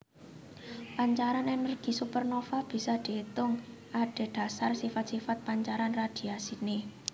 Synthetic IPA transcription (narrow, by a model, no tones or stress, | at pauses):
paɲt͡ʃaɾanɛnərɡ̥i̤supərnofab̥i̤sɔd̪̥e̤t̪ʊŋ | ʔaɖ̥e̤ɖ̪̥a̤sarsifat̪̚sifat̪̚paɲt͡ʃaɾanrad̪̥i̤asine